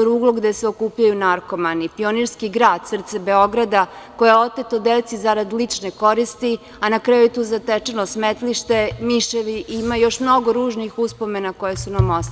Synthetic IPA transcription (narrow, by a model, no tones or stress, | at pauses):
ɾuːɡlˠoɡd̪e̞seo̞kuːpʎajunaɾko̞manipio̞niɾskiɡɾaːd̪sr̩t̪sebe̞o̞ɡɾad̪ako̞jeo̞t̪et̪od̪et̪sizaɾad̪lit͡ʂneko̞ɾist̪i | anakɾajujet̪uːzat̪et͡ʃenosmet̪liʃt̪e̞miʃeʋiʔimajo̞ʃmno̞ɡoɾuːʒnixuspo̞me̞nakojesunamost̪